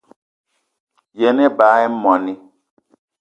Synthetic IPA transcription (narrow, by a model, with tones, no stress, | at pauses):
jɛ˨nɛ˦ba˨˦ɛ˦mɔ˨ni˦